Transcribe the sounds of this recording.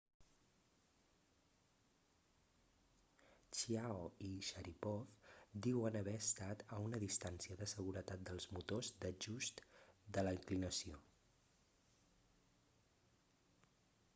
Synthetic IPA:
t͡ʃiaoiʃəɾipɔfd̪iwənəβɛəst̪at̪əunəðist̪ansiəðəsəɣuɾət̪at̪̚d̪əlˠzmut̪ozd̪əʒust̪d̪ələiŋklinəsio

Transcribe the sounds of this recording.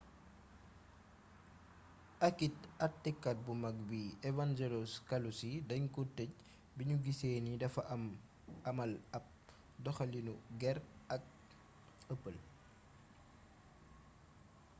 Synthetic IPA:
ʔɐkit̚ɐtːikːɐt̚bumɐk̚biɛvand͡ʒɛloskɐlusidɐɲkutːɛc̚ | biɲuɡiseːnidɐfɐʔɐm | ɐmɐlɐp̚ | dɔxɐlinuɡɛrɐk̚ | əpːəl

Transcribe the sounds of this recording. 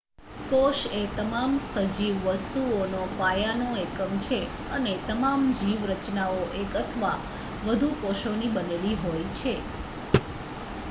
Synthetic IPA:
koʃet̪əmamsəd͡ʒiʋːəst̪uonopajanoekəmt͡ʃʰe | ənet̪əmamd͡ʒiʋɾət͡ʃnaoʔekət̪ʰəʋa | ʋəd̪ʱukoʃonibəneliɦojt͡ʃʰe

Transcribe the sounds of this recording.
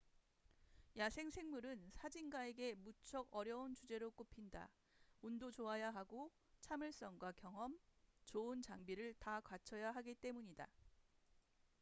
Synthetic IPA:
jasʰe̞ŋsʰe̞ŋmuɾɯnsʰad͡ʑinɡae̞ɡe̞mut͡ɕʰʌɡʌɾjʌunt͡ɕud͡ʑe̞ɾok͈opʰinda̰ | undot͡ɕoajaɦaɡo | t͡ɕʰamɯɭs͈ʌŋɡwakjʌŋɦʌmt͡ɕoɯnt͡ɕaŋbiɾɯɭtakwat͡ɕʰʌjaɦaɡit͈e̞muɲida̰

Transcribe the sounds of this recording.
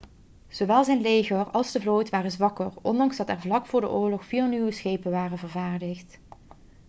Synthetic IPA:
z̥oʋɛlˠzɛjnlejɣərɑlˠzdəvlowjtʋaːrəzʋɑkərɔndɑŋzdɑtɛɹvlɑkfʊːɹdə̰ʔʊːɹlɔxfiːanywəsxejpənʋaːrənvəɹvaːɹdəxt

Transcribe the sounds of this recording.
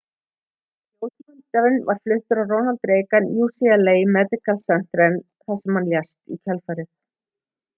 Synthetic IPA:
oːwtmʏnt̪avɪnvaɾ̥flʏht̪ʏɾawrownalt̪ɾeːjkanjuːsialeːjmɛt̪ɪkalsɛn̥t̪ɾɛn | θasɛmhanljɛst̪ḭcʰɛlfajɾɪ

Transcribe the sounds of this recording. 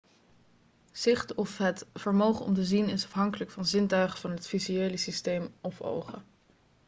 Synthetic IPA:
z̥ɪχtɔfɦətfəɹmowχəɔ̰mtəzinɪsɑfɦɑŋkələkfɑnzɪntœɥχəvɑnɦətfizyejləsistejmʔɔfo̰wχə̰

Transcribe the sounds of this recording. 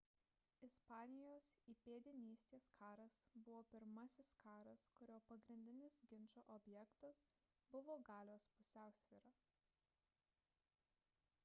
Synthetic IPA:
ɪspɑːnʲɪjoːsiːpʲeːd̪ʲɪnʲiːsʲt̪ʲeːskʰɑːɾɐsbʊʋoːpʲɪɾmɐsʲɪskɑːɾɐskʊɾʲoːpɐɡɾʲɪnʲd̪ʲɪnʲɪsɡʲɪnʲˑt͡ʃoːʔɔbʲjɛkt̪ɐs | bʊʋoːɡɑːlʲoːspʊsʲæˑʊsʲʋʲiːɾɐ

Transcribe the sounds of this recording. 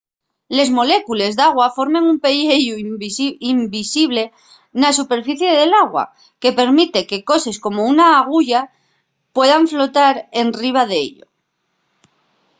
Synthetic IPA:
le̞zmo̞le̞kule̞zðaɣwafo̞ɾmẽ̞ŋumpe̞ʎeʎuimbisiβle̞ | nas̬upe̞ɾfiθje̞ðe̞laɣwa̰ | ke̞pe̞ɾmit̪e̞ke̞ko̞se̞sko̞mo̞unaːɣ̞uʝa | pwe̞ðaɱflo̞t̪aɾe̞nriβ̞að̞eḛʎo̰

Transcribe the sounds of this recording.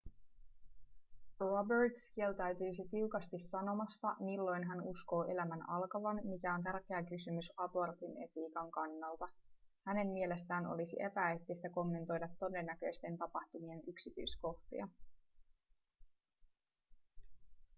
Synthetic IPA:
robert̪skielt̪æɥt̪yjsit̪iwkɑst̪isːɑno̞mɑst̪ɑmilːo̞jnɦænusko̞ːʔe̞læmænɑlkɑʋɑnmikæo̞nt̪ærk̟eækysymysɑpo̞rt̪ine̞t̪iːkɑŋkɑnːɑlt̪ɑhæne̞mːie̞le̞st̪æːno̞̰lisḭʔe̞pæet̪ːist̪æko̞mːe̞nt̪o̞jdɑt̪ːo̞de̞nːækø̞jst̪e̞nt̪ɑpɑht̪umie̞nyksit̪y̰jsko̞ht̪ḭɑ

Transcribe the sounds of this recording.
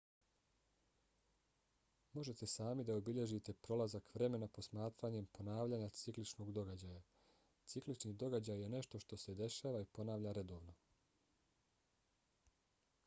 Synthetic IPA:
mo̞ʒe̞t̪e̞saːmid̪aobiʎe̞ʒit̪e̞pɾo̞lazakʋɾe̞me̞napo̞smaːt̪ɾaɲe̞mpʰo̞naːʋʎaɲat̪siklit͡ʃno̞ɡd̪o̞ɡad͡ʑaja | t̪siklit͡ʃnid̪o̞ɡad͡ʑajːe̞ne̞ʃt̪o̞ʃt̪o̞se̞d̪e̞ʃaːʋaipo̞naːʋʎaɾe̞d̪o̞ːʋno̞

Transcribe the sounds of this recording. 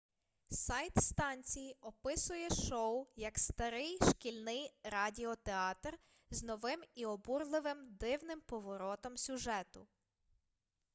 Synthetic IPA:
sɑjt̪st̪ɑnʲt͡sʲijiɔpɪsʊjɛʃɔwjɐkst̪ɐɾɪjʃkʲilʲnɪjɾɑdʲiɔt̪eɑt̪r | znɔʋɪmiɔburlˠɪʋɪmd̪ɪwnɪmpɔʋɔɾɔt̪ɔmsʲʊʒɛt̪ʊ

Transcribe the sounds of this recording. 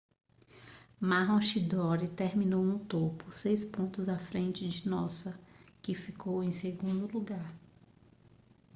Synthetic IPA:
maɦõʃid̪ɔɾit̪eɾmĩnowũt̪opʊsejspõnt̪ʊzafɾẽnt͡ʃɪd͡ʒɪnɔsɐkɪfikowẽj̃seɡũnd̪ʊluɡaɾ

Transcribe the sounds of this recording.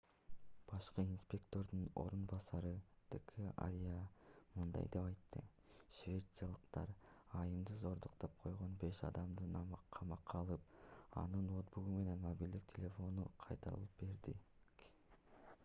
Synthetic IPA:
b̥ɑʃqɯinspʲe̞kt̪o̞ɾd̪uno̞̰ɾunbɑsɑɾɯt̪ʰəkʰəa̰ɾʲijamɯnd̪ɑ̰jd̪e̞pɑjt̪ːɯ̰ | ʃvʲe̞t̪sɨjalˠɯqt̪ɑɾɑjɯmd̪ɯzo̞ɾd̪uqt̪ɑp̚qʰo̞jʁo̞nbe̞ʃɑ̰d̪ɑmd̪ɯnɑmqʰɑmɑqʰːɑlˠɯp̚ɑ̰nɯnwo̞t̪buɡume̞ne̞nmobʲilʲd̪ik̚tʲʰelʲe̞fo̞nuqʰɑjt̪ɑɾɯ̰lˠɯp̚be̞ɾd̪ik

